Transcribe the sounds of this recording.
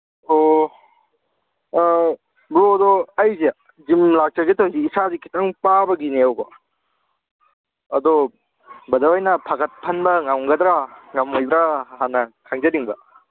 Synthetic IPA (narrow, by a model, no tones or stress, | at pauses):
o | bɾodɔɐjze | zimlak̚t͡ʃɐɡetʰoŋziːsazikʰi̥taŋpabɐɡineɐwbɐ | ɐd̪ɔ | bɐdɐwajnɐpʰaɡɐt̚pʰɐnbɐŋaŋɡɐd̪ɾaŋamojbɾahanːɐkʰaŋzɐdiŋbɐ